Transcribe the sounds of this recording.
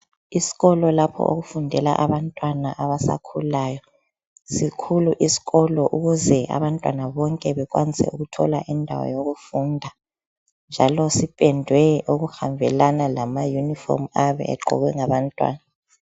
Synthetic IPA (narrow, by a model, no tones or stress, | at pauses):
isi̥ɣɔlɔlapʰɔ̰ʔo̰ɣufundʱɛla̰ʔaβantʼwanaʔaβasa̰kʰulaːjɔ | sikʰuluʔisi̥ɣɔlɔʔuɣuzɛʔa̰βantʼwanaβɔŋkʼɛβɛkwanisɛ̰uɣutʰɔla̰ʔindʱa̰wɔ̰joɣufuːndʱa | nd͡ʒʱalɔsipʼɛndʱwɛuɣuhambʱɛlanalamajunifɔ̰rmaβɛ̰ʔɛ̰ǃʱɔ̰ɣwɛŋaβantʼwa̰ːna